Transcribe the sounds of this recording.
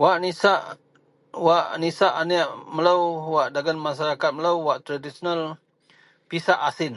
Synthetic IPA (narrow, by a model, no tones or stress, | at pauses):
waʔnisaʔ | waʔnisaʔaniʔməlawwaʔdaɡanmas̬aɾakat̪̚məlawwaʔt̪ɾadisonal | pisaʔasɪn